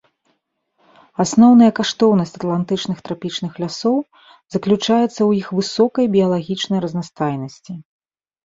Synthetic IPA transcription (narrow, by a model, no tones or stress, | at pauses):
asnɔwnɐjɐkaʂt̪ɔwnɐsʲt͡sʲɐt̪lˠant̪ɨt͡ʂnɨxt̪ɾapʲit͡ʂn̪ɨxlʲasɔw | zɐklʲut͡ʂajɛt̪sːɐwjixvɨsɔkɐjbʲijɐlˠaɣʲit͡ʂnɐjɾɐznast̪ajnɐsʲt͡sʲi